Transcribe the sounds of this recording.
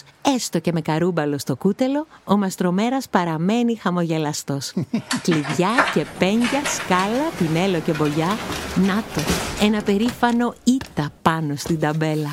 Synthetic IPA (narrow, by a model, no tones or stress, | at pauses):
e̞st̪o̞ce̞me̞kɐɾubɐlo̞st̪o̞kut̪e̞lo̞ːmɐst̪ɾo̞me̞ɾɐspɐɾɐme̞nixɐmo̞ʝe̞lɐst̪o̞skliðʝɐce̞peɲɟɐskɐlɐpine̞lo̞ce̞bo̞ʝɐnɐt̪o̞e̞nɐpe̞ɾifɐno̞it̪ɐpɐno̞st̪ind̪ɐbe̞lɐ